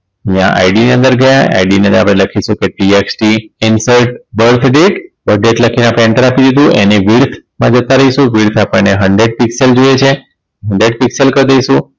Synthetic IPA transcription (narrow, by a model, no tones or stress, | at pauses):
jã̰ʔa̰iɖiniənd̪əɾɡəjaa̰iɖiniənd̪əɾapɽ̃eləkʰiʃũkeʈieksʈiɪnsəɾʈbəɾt̪ʰɖeʈbəɾɖeʈləkʰinapɛɳʈəɾapid̪id̪ũʔeniʋiɾt̪ʰmãd͡ʒət̪aɾəiʃũʋiɾt̪ʰapəɳneɦəɳɖɾeɖ̚pikseld͡ʒojet͡ʃʰe | ɦəɳɖɾeɖ̚pikselkəɾd̪əiʃũ